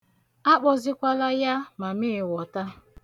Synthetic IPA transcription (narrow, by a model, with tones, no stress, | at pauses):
a˦k͡pɔ˨zɪ˦kʷa˦la˦ja˦ma˨mɪ˦ɪ˨wɔ˨ta˦